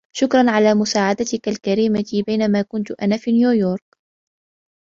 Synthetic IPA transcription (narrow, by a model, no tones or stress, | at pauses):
ʃʊkɾˤɑnʕalaːmʊsaːʕad̪at̪ɪkalkaɾiːmabajnamaːkʊnt̪ʊʔa̰naːfiːnjuːjoːɾˤk̚